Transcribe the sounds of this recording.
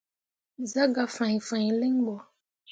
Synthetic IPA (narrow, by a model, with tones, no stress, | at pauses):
za˦ɡa˨fã˨ɲi˨fã˨ɲi˨le˦ŋ˦ɡ͡bɔ˨